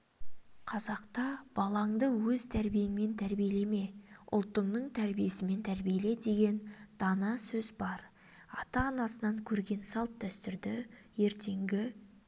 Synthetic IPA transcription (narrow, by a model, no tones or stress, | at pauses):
qʰɑzɑqt̪ɑb̥ɑlˠɑɴd̪əwɵzt̪ʰæɾbije̞ŋme̞nt̪ʰæɾbijele̞me̞ʔʊ̰lˠt̪ːəɴnəɴt̪ʰæɾbije̞sɪme̞nt̪ʰæɾbijele̞d̪e̞ɡʲe̞nd̪̥ɑnɑsɵzbɑɾ | ɑt̪ɑːnɑsənɑŋkʲʰɵɾɡʲe̞nsɑlˠp̚d̪ʰæst̪ʏɾd̪ɪ | je̞ɾt̪ʰe̞ŋɡʲɪ